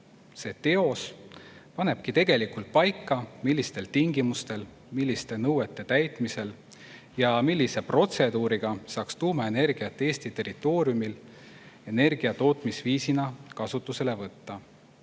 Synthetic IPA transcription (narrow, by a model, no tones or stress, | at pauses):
se̞ːt̪e̞o̞spɑne̞b̥̚kit̪e̞ɡe̞likult̪̚pɑjkːˑɑmilːist̪e̞lt̪iŋɡ̥imust̪e̞l | milʲːist̪e̞nɤwet̪ːˑe̞t̪æjt̪ˑmise̞l | jɑmilːise̞pro̞t̪se̞d̪uːɾiɡ̥ɑsɑːkst̪uːmɑe̞ne̞rɡ̥iɑt̪ːˑee̞ːst̪it̪e̞rit̪ːˑo̞ːɾijumil | e̞ne̞rɡ̥iɑt̪o̞ːt̪ˑmisviːsinɑkɑsut̪ːˑuse̞le̞vɤt̪ːɑ